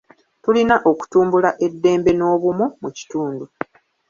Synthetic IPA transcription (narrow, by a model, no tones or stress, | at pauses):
tulinaʔo̞ku̥tuːmbulaʔe̞dːe̞ːmbe̞no̞ːβumumuci̥tuːndu